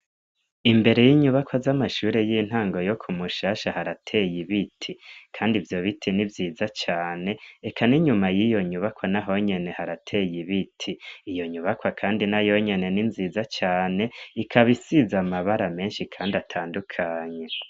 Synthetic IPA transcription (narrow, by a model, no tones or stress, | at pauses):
imbe̞ɾe̞jiɲuβakwazamaʃuːɾe̞jin̥haːŋɡo̞jo̞kʰumuʃaːʃahaɾatʰe̞jiβitʰikʰaːndivjo̞βitʰinivjiːzat͡ʃaːne̞ekʰaniɲumajijo̞ɲuβakwanaɦo̞ɲe̞ne̞haɾatʰe̞jiβitʰiːjo̞ɲuβakwakʰaːndinajo̞ɲe̞ne̞ninziːzat͡ʃaːne̞ikʰaβisizamaβaɾame̞ːnʃikʰaːndatʰaːndukʰaːɲe̞